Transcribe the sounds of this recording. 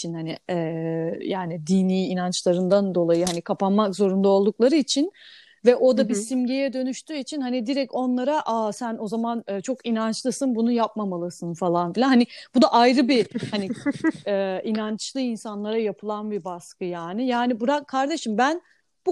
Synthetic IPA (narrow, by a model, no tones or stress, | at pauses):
t͡ʃʰinhanɪɛːjaːnid̪iniːnant͡ʃlˠaɾɯnd̪and̪o̞lˠajɯɦanikʰapanmakzo̞ɾund̪aolˠd̪uklˠaɾɯit͡ʃʰin | vɛʔo̞d̪abisimɟejɛd̪ø̞nyʃt̪ʰyːit͡ʃʰinhanid̪iɾɛco̞nlˠaɾaʔaːsæno̞zamanɯːt͡ʃʰo̞kinant͡ʃlˠɯsɯnbunujap̚mamalˠɯsɯnfalˠanfilʲanhanib̥ud̪aʔajɾɯbihaniɛinant͡ʃlˠɯinsanlˠaɾajapʰɯlˠanbibaskɯjaːnɪjaːnibuɾakʰːaɾd̪e̞ʃimbæn | b̥u